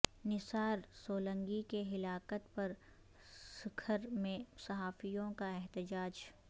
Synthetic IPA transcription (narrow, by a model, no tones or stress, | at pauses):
nɪsaːɾsoːlə̃ŋɡikeɦɪlaːkət̪pɐɾ | sɪkʰəɾmẽsɐɦaːfijõkaɛɦt̪ɪd͡ʒaːd͡ʒ